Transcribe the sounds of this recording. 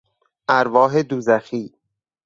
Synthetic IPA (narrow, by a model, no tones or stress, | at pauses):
ʔæɾvɒːɦed̪uːzæxiː